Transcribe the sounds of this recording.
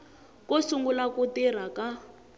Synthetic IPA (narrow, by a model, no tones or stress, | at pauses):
kosuŋɡulakutir̤aka